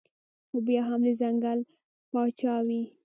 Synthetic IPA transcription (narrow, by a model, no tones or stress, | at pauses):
xobjɑɦamləzaŋɡal | pɑt͡ʃɑwi